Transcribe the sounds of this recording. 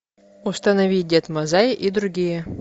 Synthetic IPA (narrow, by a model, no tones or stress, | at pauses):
ust̪ɐnɐvʲidʲet̪mɐzajʔid̪ɾuɡʲijə